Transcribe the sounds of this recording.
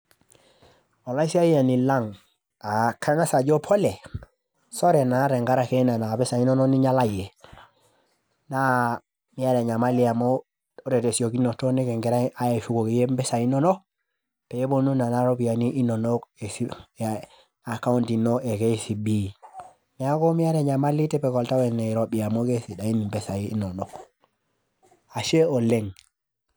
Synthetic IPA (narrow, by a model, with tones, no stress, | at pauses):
o˨la˦isi˦a˦jia˨ni˨la˦ŋ | a˨ka˦ŋa˦sa˨ɟo˦pʰo˦le˨ | so˦ɾe˨na˨˦ɾe˨ŋɡa˦ɾa˨ke˦na˨na˨be˦sa˨i˦no˦no˦ni˦ɲa˦la˦je˨ | na˦ | mi˦a˦ɾa˨ɲa˨ma˦li˨a˨mo | o˦ɾe˨te˨si˨o˨ki˦nːo˨to˦ne˦ke˨ŋɡe˨ɾa˦a˦je˨fu˨˦ko˨ke˨je˦mbe˦sa˨i˦no˦no˦ | pɛ˨je˦bonu˦na˨naɾobi˨ja˨niʔi˦nːo˨nokesi | a˨ka˦untinːoekesibi | mi˨a˦ko˦mijaɾe˨ɲama˦litɛpɛ˨ko˨lta˦wɛneɾoɓiamokesi˨ɗa˨i˦ni˨mbɛsajiḭno˨nok | a˨ʃe˦o˨leŋ